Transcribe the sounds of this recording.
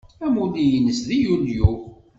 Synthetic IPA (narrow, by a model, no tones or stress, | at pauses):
æmulijənəsðijulju